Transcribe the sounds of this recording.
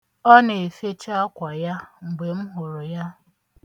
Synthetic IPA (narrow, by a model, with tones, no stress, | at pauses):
ɔ˦ne˨e˨fe˦t͡ʃa˦kʷa˨ja˦ŋ͡m̩˨ɡ͡be˨m̩˦ɦʊ˨ɾʊ˨ja˦